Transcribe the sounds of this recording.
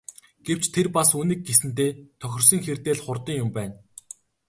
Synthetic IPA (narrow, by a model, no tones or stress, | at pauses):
ɡ̥ew̥t͡ɕt̪ʰerpasuːniːk̚ɡesɘ̆nt̪̬eːt̪ʰœxʲɪ̆rs̬iːŋxert̪eːɮχʊrt̪ə̆ŋjʊmpæːn